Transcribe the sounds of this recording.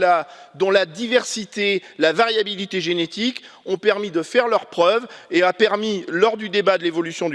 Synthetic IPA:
lad̪ɔ̃lad̪ivɛʁsit̪elavaʁjabilit̪eʒenet̪ik | ɔ̃pɛʁmid̪əfɛʁlœʁpχœveapɛʁmilɔʁd̪yd̪ebad̪əlevɔlysjɔ̃d̪

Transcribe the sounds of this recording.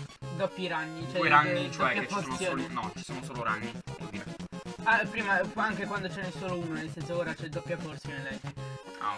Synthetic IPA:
d̪ɔpːjiɾaɲːit͡ʃɛɾaːid̪t͡ʃoɛpjafosjoːnɔt͡ʃi̥soːnosoːloɾa̰ɲːid̪ɛvod̪iːɾeapɾiːmapɔaŋkekwand̪ot͡ʃɛnesoːlouːnonelst̪ɛsoːɾat͡ʃɛd̪ːɔpːjaforsjonelɛd͡ʒia̰

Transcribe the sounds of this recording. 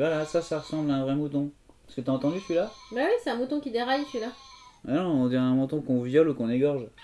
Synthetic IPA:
valasasaʁəsɑ̃blɛ̃vʁɛmut̪ɔ̃ppḁʁsə̥kət̪yaɑ̃t̪ɑ̃d̪yt̪ɥilawɛwisɛɛ̃mut̪ɔ̃kʲid̪eʁajt̪ɥilaɛnɔ̃d̪iɛ̃ɛ̃mɑ̃t̪ɔ̃kɔ̃vjɔlukɔ̃neɡɔʁʒ

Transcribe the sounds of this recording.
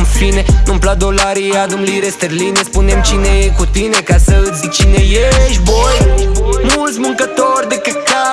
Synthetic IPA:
nfinenumplad̪olaɾiad̪ɨmliɾest̪erlinespunemt͡ʃinekut̪inekasəit͡ʃinejeʃbojmult̪sʲmɨŋkət̪oɾʲd̪ekəka

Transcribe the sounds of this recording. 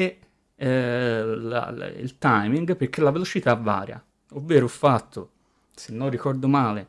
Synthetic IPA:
e | la̰ḭlt̪ajmiŋɡperk̟ːelːavelot͡ʃit̪avːa̰ːɾja̰ | ovːeːɾofːat̪ʰːo | senːorːikɔrd̪omaːle

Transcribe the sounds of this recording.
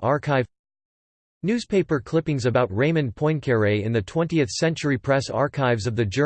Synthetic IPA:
ɑɹkʰaɪ | nʉz̥pʰeɪpə˞kʰl̥ɪpɪ̃ŋzɨbaʊt̚ɹẽɪ̃mɨ̃npʰɔ̃ɪ̃nkʰɛɹeɪɨ̃nðɨtʰw̥ɛ̃ntiɨθsɛ̃nt͡ʃə˞ipʰɹ̥ɛsɑ̰ɹkʰaɪvzʌvðɨd͡ʒɜ

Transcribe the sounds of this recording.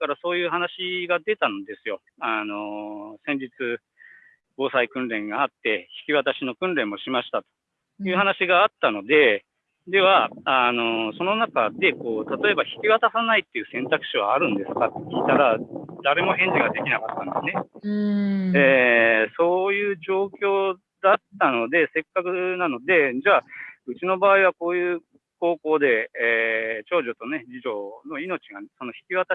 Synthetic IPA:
kaɾaso̞ːjɯ̟ːɦanaɕiɡad̪e̞t̪ano̞d̪e̞sɨjo̞ | ano̞sẽ̞ɲ̟d͡ʑit͡sɨ | bo̞ːsaikɯ̟̃nɾẽ̞ŋɡaːt̪ːe̞çi̥kʲiβat̪aɕino̞kɯ̟̃nɾẽ̞mːo̞ɕimaɕi̥t̪at̪o̞̥ | jɯ̟ːɦanaɕiɡaːt̪ːano̞d̪e̞ | d̪e̞βaano̞so̞no̞nakad̪e̞ko̞ːt̪at̪o̞e̞baçi̥kʲiβat̪asanait̪ːe̞jɯ̟sẽ̞nt̪akɯ̟̥ɕiβa̰ːɾɯ̟̃nd̪e̞sɨ̥kat̪ːekʲit̪aɾad̪aɾe̞mo̞ɦẽ̞ɲ̟d͡ʑiɡad̪e̞kʲinakat̪ːãnd̪esɨne̞ | eːso̞ːjɯ̟ːʑo̞ːkʲo̞ː | d̪at̪ːano̞d̪e̞se̞kːakɯ̟nano̞d̪e̞d͡ʑaːɯ̟t͡ɕino̞baːiβ̞ako̞ːjɯ̟ː | ko̞ːko̞ːd̪e̞ː | t͡ɕo̞ːʑo̞t̪o̞ne̞d͡ʑiʑo̞no̞ino̞t͡ɕiɡanso̞no̞çi̥kʲiβat̪a

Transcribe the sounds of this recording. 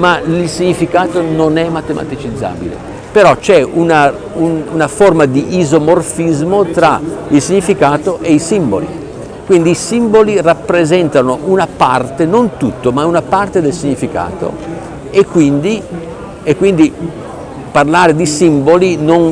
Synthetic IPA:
mailsiɲːifikaːt̪ononɛmːat̪emʔa̰t̪it͡ʃid̪zːa̰ːbḭlḛ | peɾɔt͡ʃɛuna | ununaformad̪iʔːzomorfizmot̪ɾailsiɲːifikaːt̪oʔeisimbo̰lḭ | kwind̪iːsimbolirapːɾezɛnt̪anoʔunapart̪enont̪ut̪ːomaunapart̪ed̪elsiɲːifika̰ːt̪o̰ | ekːwind̪i | ekːwind̪i | parlaːɾed̪isimbolinon

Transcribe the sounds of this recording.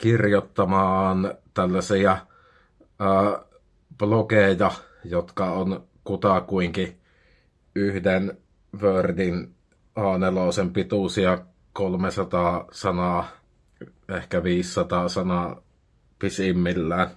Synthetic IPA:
kirjot̪ːɑmɑːnt̪ælːæsiæ | əː | b̥lokeˑijɑ | jot̪kɑon | kut̪ɑkuiŋki | ʔyhden | ʋøːrdin | ʔɑːneloˑsempit̪usiɑ | kolmesɑt̪ɑːsɑnɑː | ehkæʋiːsːɑt̪ɑːsɑnɑ | pisimːilːæːn

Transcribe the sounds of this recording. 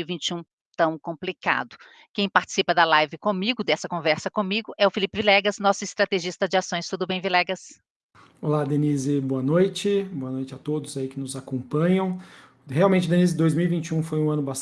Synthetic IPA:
ivĩnt͡ʃiũ | t̪ɐ̃w̃kõmplika̰d̪ʊ | kẽj̃paɾt͡ʃɪ̥sipɐd̪ɐlajvɪkõmiɡʊd̪ɛsɐkõvɛɾsɐkõmiɡʊʔɛʊfilipɪvilɛɡɐsnɔsʊɪst̪ɾat̪eʒist̪ɐd͡ʒɪasõj̃st̪ud̪ʊbẽj̃vilɛɡɐs | olad̪enizɪboɐnojt͡ʃɪboɐnojt͡ʃɪat̪od̪ʊzaikɪnʊzakõpɐ̃ɲɐ̃w̃ | heawmẽnt͡ʃɪd̪ẽnizɪd̪ojzmiwivĩt͡ʃiũfojũɐ̃nʊba

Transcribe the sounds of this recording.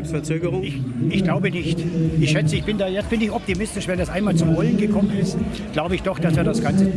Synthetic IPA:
sfɛɐt͡søːɡəʁʊŋɪçʔɪçɡ̥laʊbənɪçtɪçʃɛt͡səɪçb̥ɪndaːjɛfɪndəɪçɔp̚timɪstɪʃvɛndasʔaɪnmaːlt͡sʊmvɔlənɡəkʰɔmənɪst | ɡ̥laʊbəɪçd̥ɔxd̥asv̥iːɐdasɡ̥ant͡sə

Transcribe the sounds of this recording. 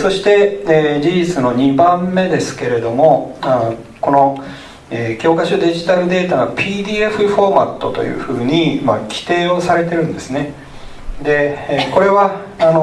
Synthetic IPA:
so̞ɕi̥t̪e̞ed͡ʑiʑit͡sɨno̞ɲ̟ibãmːe̞d̪e̞sɨ̥ke̞ɾe̞d̪o̞mo̞a | ko̞no̞ | eːkʲo̞ːkaɕod̪e̞ʑit̪aɾɯ̟d̪e̞ːt̪anopʲiːd̪ʲiːe̞ɸɯ̟ɸo̞ma̰t̪ːo̞t̪o̞̰jɯ̟̰ːɸɯ̟ːɲ̟imakʲi̥t̪e̞ːo̞saɾe̞t̪e̞ɾɯ̟̃nd̪e̞sɨne̞ | d̪e̞ko̞ɾe̞βaː | no̞

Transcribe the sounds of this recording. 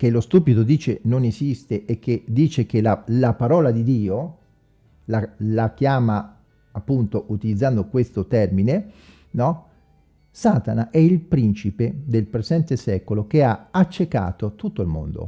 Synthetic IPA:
kelost̪uːpid̪od̪iːt͡ʃenonezist̪eʔekːed̪iːt͡ʃekelalapaɾɔːlad̪id̪iːo | lalak̟jaːma | apːunt̪oʔut̪ilid̪zːand̪okwest̪ot̪ɛrmine | nɔ | saːt̪anaʔɛilpɾint͡ʃiped̪elpɾezɛnt̪esɛːkolok̟eaat͡ʃːeka̰ːt̪ot̪ut̪ːoilmo̰nd̪o̰

